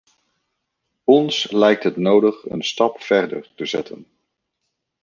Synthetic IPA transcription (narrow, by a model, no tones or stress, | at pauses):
ɔnslɛjk̚tɦətnowdəχə̰nstɑpfɛɹdə̰ɹtəzɛtʰə̰n